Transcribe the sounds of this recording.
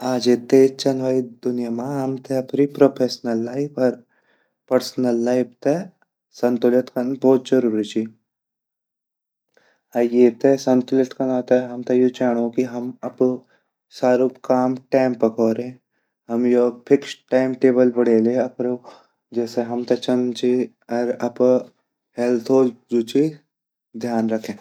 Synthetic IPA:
aːd͡ʒet̪eːt͡ʃɐnʋaːid̪ʊnjamãɦɐmt̪ʰeɐpɾipɾoːpʰeːsnəlːaːipʰɐɾ | pɐɾsnəlːaːɪpt̪e | sɐ̃nt̪ʊlɐt̪kɐnbɔːt̪zɐɾuːɾit͡ʃi | ajeːt̪esɐ̃nt̪ʊlɪt̪kɐnãt̪eɦɐmt̪ejut͡ʃaːɽ̃okiɦɐmɐp | saːɾuːpkaːmʈaːɪmpɐkʰɔːɾẽ | ɦɐmjopʰɪksʈaːɪmʈeːbəlbɐɽeːlẽɐpɾo | d͡ʒɛːseɦɐmt̪ɐt͡ʃɐnt͡ʃi | ɐɾɐp | helt̪ʰod͡ʒuːt͡ʃi | d̪ʱjaːnɾɐkʰẽː

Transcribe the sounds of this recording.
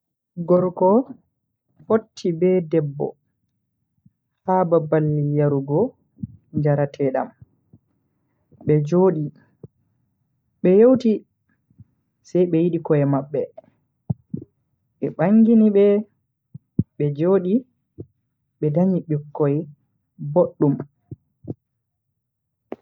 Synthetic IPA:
ɡɔɾkɔ | fotʰːibɛdɛbːɔ̰ | hababalːijaɾuɡɔ | ɲd͡ʒaɾatʰɛːɗa̰m | ɓɛd͡ʒoːɗi | ɓɛjowti | sajɓɛjiɗikɔɛmaɓːɛ | ɓɛɓaŋɡiniɓɛ | ɓɛd͡ʒoːɗi | ɓɛdaɲiɓikːɔjɛ | boɗːum

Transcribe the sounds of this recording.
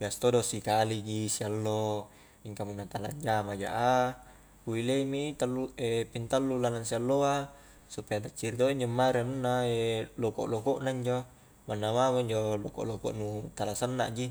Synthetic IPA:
biast̪odosikaliɡisialːo | iŋkamunːat̪ala̰ɲd͡ʒamad͡ʒa̰ʔa | uileimit̪alːuepint̪alːulanansialːoa | supeadat͡ʃːiɾit̪oiɲd͡ʒomːaɾiamunːaeloko̰ʔlokoʔnaiɲd͡ʒo | manːamamoiɲd͡ʒoloko̰ʔloko̰ʔnut̪alasənːa̰ʔɡi

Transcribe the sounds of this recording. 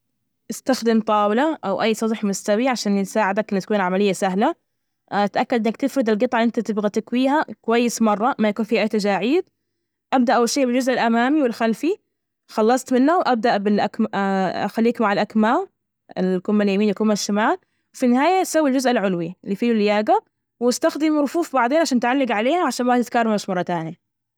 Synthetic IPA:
ʔɪst̪axd̪ɪmt̪ˤɑːwɪlaʔawʔajːsˤɑd̪ˤħmʊst̪awiʕaʃaːnsaːʕɪd̪akʔɪnːat̪kuːnʕamalɪjːasaɦla | t̪ʔakːad̪ɪnːak̚t̪ɪfɾɪd̪ɪlɡɨt̪ˤʕɑʔɪnt̪at̪ɪbɣat̪akwiːɦakʊwajːɪsmɑrˤːɑmajakuːnfiːʔajːt̪ad͡ʒaːʕiːd̪̚ | ʔab̚d̪aʔawalʃeːʔbɪld͡ʒʊzʔɪlʔamaːmiwɪlxalfi | xɑlːɑsˤt̪mɪnːawʔab̚d̪aʔbɪlʔakmxalːiːkmaʕalʔakmaː | ɪlkʊmːaljamiːnjakʊmːaʃːamaːl | wfinːɪɦaːjasawːild͡ʒʊzʔɪlʕʊlwiɪlːiːfiːlʊlːjaːɡa | wɪst̪axd̪ɪmɾʊfuːfbɑʕd̪eːnʕaʃaːnt̪ʕalːɪɡʕaleːhaʕaʃaːnmat̪ɪt̪kaːrˤɑmɪʃmɑrˤːɑt̪aːnja

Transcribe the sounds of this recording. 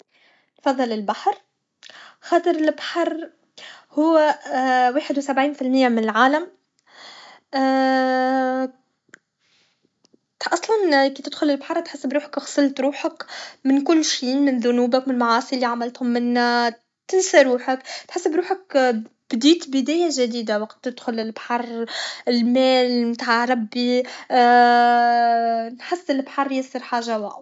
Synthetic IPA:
nfɑðˤːɑlɪlbaħɾˤ | xɑːt̪ˤɑɾɪlbaħɑɾˤ | hʊwːæwaːħɪd̪wɪsabʕiːnfɪlmɪjːamɪnɪlʕaːlam | ʔɑsˤlɑnkiːt̪ɪd̪xʊlɪlbħɑɾˤt̪ħɪsːɪbɾuːħḁkxsˤɪlt̪ɾuːħakmɪnkʊlːʃiːmɪnðʊnuːbɪkmɪnlmaʕɑːsˤilːiʕamalt̪hʊmːɪnː | t̪ɪnsaɾuːħakt̪ħɪsːɪbɾuːħakb̥d̪iːt̪bɪd̪æːjaʒad̪iːd̪awɑqt̪ːɪd̪xʊlɪlbħɑɾˤɪlmæːlmt̪aːʕɾˤɑbːi | nħɪsːɪlbħɑrˤːjɪsˤəɾħaːʒawæʔ

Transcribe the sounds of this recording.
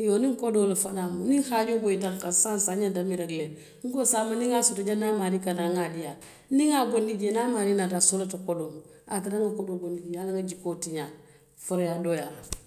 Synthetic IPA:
jonĩŋkodoːlafanaːmunĩŋhaːd͡ʒoboitaŋkasãnsaɲadamilakle | ŋ̩kosaːmanĩŋasotod͡ʒanaːmaːɾikanaŋalija | niŋaɡondid͡ʒenaːmaːɾinatasolotakodom | a̰tiɾaŋɡakodoːɡondid͡ʒialaŋɡad͡ʒikoːtiɲa | fɔɾɔjadoːja

